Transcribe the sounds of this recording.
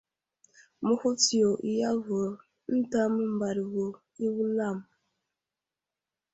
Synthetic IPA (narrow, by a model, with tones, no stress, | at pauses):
mu˦hu˦ti˨o˨ʔi˦ja˦vo˨ | n̩˦ta˦mu˦m̩˨ba˨ɾi˨wo˨ | i˦wu˦la˦˨m˨